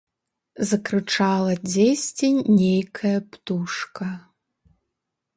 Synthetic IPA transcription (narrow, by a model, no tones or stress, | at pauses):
zɐkɾɨt͡ʂalˠɐd͡zʲesʲt͡sʲenʲejkʰɐjɐpt̪uʂkɐ